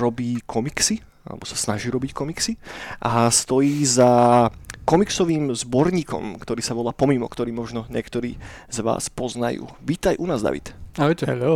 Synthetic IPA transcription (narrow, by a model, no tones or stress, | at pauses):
ɾɔbiːkʰɔmiksi | a̰lɛ̰bɔsḁsnaʒiːɾɔbickɔmiksiʔast̪ɔjiːza | kɔmiksɔʋiːmzbɔɾɲiːkɔ̰mkt̪ɔɾiːsaʋɔlaːpɔmimɔ̰kt̪ɔɾiːmɔʒnɔɲɪɛkt̪ɔɾḭːzʋa̰ːspɔzna̰jṵːʋiːt̪ajʔunaːzd̪a̰ʋḭt̪aɔt̪ɦɛlo